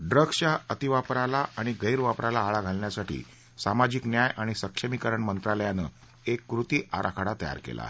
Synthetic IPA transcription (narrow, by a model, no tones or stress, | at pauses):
ɖɾəɡɕjaət̪iʋapɾalaʔaɽ̃iɡəiɾʋapɾʔalaaɭaɡʱalɳjasaʈʰḭː | samad͡ʑiknjajaɽ̃isəkʂəmikəɾəɳmənt̪ɾaləjanə | ekːɾut̪iːʔaɾʔa̰kʰaɽat̪əja̰ɾkḛla̰